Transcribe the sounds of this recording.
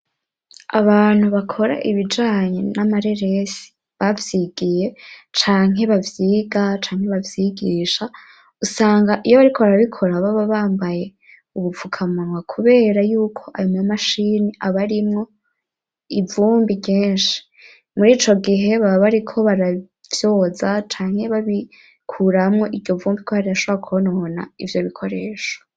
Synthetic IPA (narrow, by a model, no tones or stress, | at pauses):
a̰βaːn̥huβakʰo̞ɾa̰ʔiβid͡ʒaːɲenamaɾe̞ɾe̞si̥ | βavjiɡije̞t͡ʃaːŋ̥ɦe̞βavjiːɡat͡ʃaːŋhe̞βavjiɡiːʃa | usaːŋɡaʔijoβaɾikʰoβaɾaβikʰo̞ɾaβaβaβaːmbaje̞ | uβufukʰamaŋwakʰuβe̞ːɾajuːkʰo̞ʔajumŋamaʃiːniʔaβaɾimŋo̞ | ivuːmbikeːnʃi̥ | muɾiːt͡ʃo̞ɡiɦe̞βaβaβaɾikʰo̞βaɾa | v̥jo̞ːzat͡ʃaːŋ̥he̞βaβi | kʰuɾamŋo̞ʔivjo̞vuːmbikʰohaɾiaʃoβɾakuonona̰ivjo̞βikʰo̞ɾe̞ːʃḁ